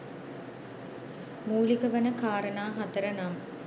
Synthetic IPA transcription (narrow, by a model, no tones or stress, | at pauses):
muːlikəʋɐnəkaːɾənaːɦat̪əɾənam